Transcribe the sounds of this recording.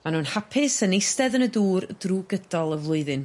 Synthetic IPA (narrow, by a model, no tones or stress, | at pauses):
manuːnhapʰɪsənejstɛðənəduːrdruːɡədɔlˠəvlˠʊɨðɨn